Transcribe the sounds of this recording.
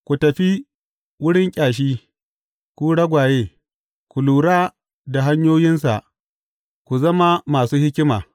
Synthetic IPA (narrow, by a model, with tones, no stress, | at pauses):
kʷu˨tɐ˨ɸi˦ | wʊ˦ɽɪ˦ŋkʲʼaː˨ʃ̬iː˦ | kʷu˦ɽɐ˦ɡʷaː˨jeː˦ | kʷu˨luː˨ɽaː˦ | da˨ɦa˦ɲjoː˦jɪ˦ns̬a̰˨ʔ | kʷu˨zɐ˦ma˦maː˨suː˦hɪ˦kʲɪ˦maː˨